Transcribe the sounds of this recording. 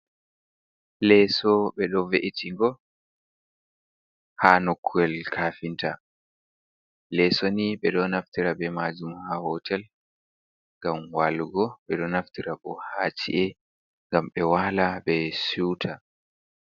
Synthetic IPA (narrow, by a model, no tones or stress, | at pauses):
lɛsɔɓɛɗɔveʔitʰiŋɡɔ | haːnokʰːuɛlkʰaːfinta | lɛsɔniɓɛɗɔnaftiɾabɛmaːd͡ʒumhahɔtʰɛl | ŋɡamwalɡɔɓɛɗɔnaftiɾaɓɔ̰haːt͡ʃḭʔɛ | ŋɡamɓɛwaːlaɓɛsuwtʰa